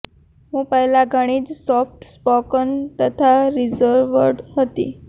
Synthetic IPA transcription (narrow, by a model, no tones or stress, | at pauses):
ɦũpəɦlaɡʱəɽ̃iːd͡zsɔfʈspɔkənt̪ət̪ʰaɾizəɾʋəɾɖɦət̪ḭ